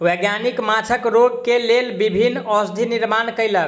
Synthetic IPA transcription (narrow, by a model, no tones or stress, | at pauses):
weɡjanikmat͡ʃʰəkɾoɡ̚kelelbibʱinːɔsd̪ʱiniɾmankəjlək